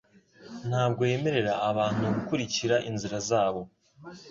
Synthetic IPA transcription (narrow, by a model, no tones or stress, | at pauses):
n̥haːb̚ɡo̞je̞me̞ɾe̞ɾaːβaːn̥huɡukuɾiciɾaʔinziɾazaːβo̞